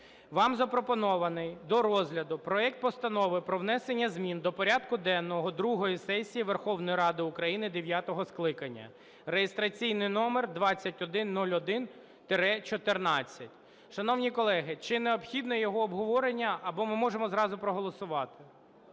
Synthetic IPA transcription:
ʋɑmzɐpɾɔpɔnɔʋɐnɪjd̪ɔɾɔzɦlʲɐd̪ʊpɾɔɛk̚t̪̚pɔst̪ɐnɔʋɪpɾɔwn̪ɛsenʲːɐzmʲind̪ɔpɔɾʲad̪kʊd̪ɛnːɔɦɔd̪ɾuɦɔjisɛsʲijiʋerxɔwnɔjiɾɑd̪ɪʊkɾɐjinɪd̪eʋʲjat̪ɔɦɔsklˠɪkɐnʲːɐ̰ | rejest̪ɾɐt͡sʲijnɪjnɔmerd̪ʋɑt͡sʲːɐtʲɔd̪ɪnːulʲɔd̪ɪn | t̪eɾɛt͡ʃɔt̪ernɑt͡sʲːɐtʲ | ʃɐnɔwnʲijkɔlˠɛɦɪt͡ʃɪneɔpxʲid̪nɔjɔɦɔːbɦɔʋɔɾenʲːɐʔɐbɔmɪmɔʒemɔzɾɑzʊpɾɔɦɔlˠɔsʊʋɑt̪ɪ̥

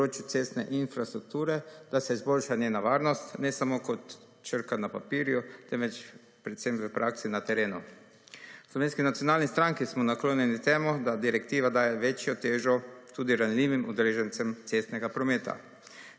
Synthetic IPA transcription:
poɾoːt͡ʃjut̪seːst̪nɛʔinfɾast̪ɾuk̚t̪uːɾɛd̪̥asɛizbolʃanjeːnaʋaːɾnɔst̪nɛsamoːkɔt̪ | t͡ʃəɾkanapapiːɾjut̪ɛmʋɛt͡ʃ | pɾɛt̪sɛmʋəpɾʔaːksinat̪ɛɾeːnu | slɔʋeːnskinat̪sijonaːlnist̪ɾaŋkismɔnakloːnjɛnit̪ɛːmɔd̪ad̪iɾɛkt̪iːʋad̪aːjɛʋet͡ʃjɔt̪eːʒɔt̪uːd̪iɾanliːʋimʔṵd̪ɛleːʒɛnt̪sɛmt̪sest̪nɛɡapɾɔmeːt̪ʰa̰

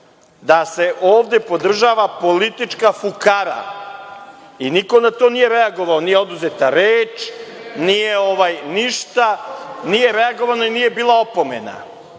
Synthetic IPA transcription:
d̪ase̞ʔoːʋd̪e̞po̞d̪r̩ʒaːʋapo̞lit̪it͡ʃkafukaɾa̰ | iniko̞nat̪o̞nije̞ɾeaɡo̞ʋao̞nije̞o̞d̪uzet̪aɾeːt͡ʃnijeo̞ʋajniʃt̪anije̞ɾeaɡo̞ʋano̞iniːje̞biːlˠao̞po̞me̞̰na̰

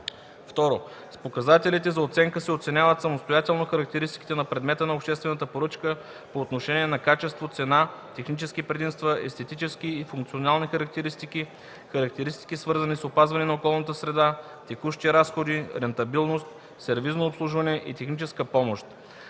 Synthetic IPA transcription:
ft̪ɔɾo | spokɐzat̪ɛlit̪ɛzɐot̪sɛŋkəsɛot̪sɛnʲjavət̪sɐmost̪ojat̪ɛlˠnoxɐɾɐk̚t̪ɛɾist̪i̥kit̪ɛnɐpɾɛd̪mɛt̪ənɐopʃt̪ɛst̪vɛnət̪əpoɾɤt͡ʃkə | poːt̪noʃɛniɛnɐkat͡ʃɛst̪vot̪sɛnat̪ɛxnit͡ʃɛskipɾɛd̪imst̪vəɛ̰st̪ɛt̪it͡ʃɛsk̟iːfuŋkt̪sionalˠnixɐɾɐk̚t̪ɛɾist̪iki | xɐɾɐk̚t̪ɛɾist̪i̥kisvɤɾzənisopazvɐnɛnɐokɔlˠnət̪əsɾɛd̪a | t̪ɛkuʃt̪iɾasxod̪iɾɛnt̪ɐbilˠnost̪ | sɛɾviznoopslˠuʒvɐnɛʔḭt̪ɛxnit͡ʃɛskəpɔmoʃt̪

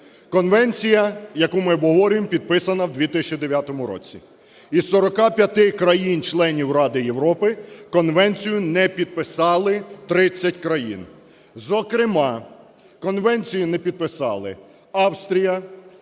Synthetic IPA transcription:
kɔnʋɛnʲt͡sʲijɐjɐkumɪɔbɦɔʋɔɾʲmpʲid̪̚pɪsɐnɐwd̪ʋʲit̪ɪst͡ʃid̪eʋʲjat̪ɔmʊɾɔ̰t͡sʲḭ | isɔɾɔkɑpʲjɐt̪ɪkɾɐjint͡ʃlˠɛnʲiwrɑd̪ɪjewɾɔpɪkɔnʋɛnʲt͡sʲijʊnɛpʲid̪̚pɪsɑlˠɪt̪ɾɪt͡sʲːɐtʲkɾɐjḭn | zɔkɾɪmɑ | kɔnʋɛnʲt͡sʲijʊnɛpʲid̪̚pɪsɑ̰lˠɪ̰ | ɑwst̪ɾʲijɐ

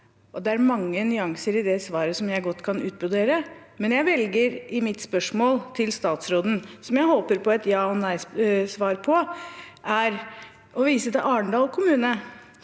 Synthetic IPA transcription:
ʔɔd̪ɛæɾmɑŋːənʏɑŋsəɾɪd̪ɛsʋɑːɾəsɔmjæɪɡɔt̪ːkʰɑnʉːt̪̚bʉd̪eːɾə | mɛnjæɪʋɛlɡəɾɪmɪt̪spœʂmoːlt̪ʰɪlst̪ɑːt̪sɾoːd̪n̩sɔmjæɪhoːpəɾpʰɔɛt̪jɑːɔnæɪssʋɑːɾpʰɔʔæɾ | ɔʋiːsəd̪ɛʔɑːɳɖ̪ɑːlkʰʊmʉːnə

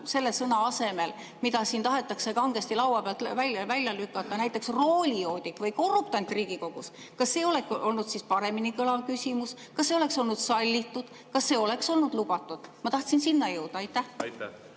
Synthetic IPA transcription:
se̞lːesɤnɑɑse̞me̞l | mid̪ɑsiːnt̪ɑɦe̞t̪ːˑɑksekɑŋɡ̥est̪ilɑwwɑpeɑlt̪vælʲɑvælʲjɑlykːˑɑt̪ːˑɑnæjt̪ːˑe̞ksro̞ːlʲio̞ːd̪ʲikvɤjko̞rːupt̪ɑnt̪ːˑriːɡ̥iko̞ɡ̥us | kɑsːe̞ːo̞le̞ko̞lnud̪̥sispɑɾe̞minikɤlɑvkysʲimus | kɑsːe̞o̞le̞kso̞lnud̪̥sɑlʲːit̪ːud̪̥ | kɑsːe̞ːo̞le̞kso̞lnud̪̥lub̥ɑt̪ːˑud̪̥mɑt̪ɑht̪sinsinːɑjɤwd̪̥ɑɑjt̪ːˑæh

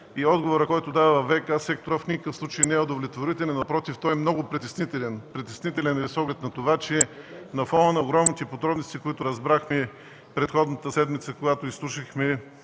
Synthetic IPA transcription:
iɔd̪ɡovoɾəkɔjt̪ʊd̪aɐvɐvɛkasɛk̚t̪oɾəfnʲikəkəfslˠut͡ʃəjnɛɛʊd̪ovlʲɛt̪voɾit̪ɛlʲɛnɐpɾɔt̪ift̪ɔjɛmnɔɡʊpɾit̪ɛsnit̪ɛlɛnpɾit̪ɛsnit̪ɛlʲɛnɛvisɔɡlʲɛt̪nɐt̪ovat͡ʃɛ | nɐfɔnənɐoɡɾɔmnit̪ɛpod̪ɾɔbnost̪ikoit̪ʊɾɐzbɾaxmɛ | pɾɛt̪xɔd̪nət̪əsɛd̪mit̪səkoɡat̪oislˠuʃixmɛ

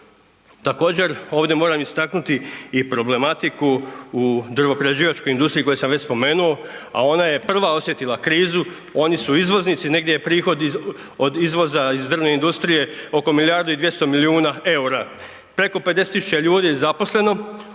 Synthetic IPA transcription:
t̪ako̞ːd͡ʑe̞ɾo̞ːʋd̪ʲje̞mo̞ːɾamist̪aknut̪iipɾo̞ble̞mat̪ikuː | d̪rʋo̞pɾed͡ʑiːʋat͡ʃko̞jind̪ust̪ɾiko̞jesamʋe̞t͡ɕspo̞me̞ːnuo̞a̰o̞naje̞pr̩ʋao̞sje̞t̪ilakɾiːzu | o̞nisuizʋo̞znit̪sine̞ɡd̪ʲjejepɾiːxo̞d̪ | od̪izʋo̞zaizd̪r̩ʋne̞ind̪ust̪ɾije̞o̞ko̞milijaɾd̪oid̪ʋjest̪omiliuːnae̞uɾa | pɾe̞ko̞ped̪eset̪isu̥t͡ɕeʎuːd̪ijezapo̞sle̞no̞

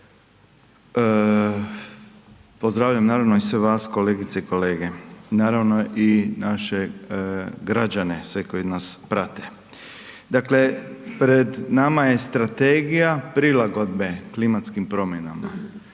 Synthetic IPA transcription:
pozd̪ɾaːʋʎamnaːɾaʋnoisʋeʋaːsko̞leːɡit̪seiko̞leːɡe̞naːɾaʋno̞ʔinaʃe | ɡɾad͡ʒanesʋeko̞jinaːspɾat̪e | d̪akle̞pɾed̪namaje̞st̪ɾat̪eːɡijapɾilaɡo̞d̪beklimat̪skimpɾo̞mjenama̰

